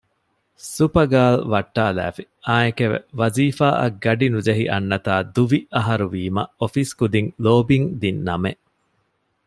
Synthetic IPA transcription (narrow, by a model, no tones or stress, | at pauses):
supɐɡaːlʋɐʈːaːlæ̰ːfi | aːekeʋḛʋɐziːfaːʔɐ̰ɡɐɖinud͡ʒɐɦiʔɐnːɐt̪aːd̪uʋiʔɐɦɐɾuʋiːmɐ̰ofiskud̪iŋloːbiŋd̪inːɐme